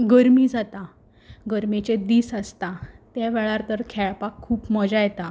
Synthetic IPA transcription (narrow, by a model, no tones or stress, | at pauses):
ɡəɾmiːd͡zat̪a | ɡəɾmet͡ɕed̪iːsast̪at̪jaʋɛɭaɾt̪əɾkʰɛɭpakʰːuːpməd͡ʑajt̪a